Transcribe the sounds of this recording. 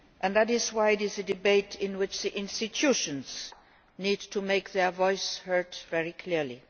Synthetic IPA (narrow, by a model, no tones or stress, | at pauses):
ʔɨ̃nðæɾɪzwaɪɨɾɪzðɨdɨbeɪtʰɪ̃nwɪt͡ʃðiʔɪ̃nstɨtʰuʃɨ̃nz̥ | nid̚tʰumeɪkðɛ˞vɔɪshɜ˞dvɛɹikʰl̥iɹli